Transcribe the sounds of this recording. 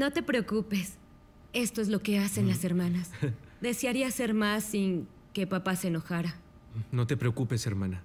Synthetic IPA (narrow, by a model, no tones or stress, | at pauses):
no̞t̪e̞pɾe̞o̞kupe̞s | e̞st̪o̞e̞zlo̞ke̞ase̞nlase̞ɾmãnasd̪e̞seaɾiase̞ɾmasːiŋ | ke̞papaseeːno̞xaɾa | no̞t̪e̞pɾeokupeseɾmana